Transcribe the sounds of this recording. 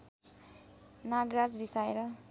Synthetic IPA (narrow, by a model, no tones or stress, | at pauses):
naɡrad͡zrisaeɾʌ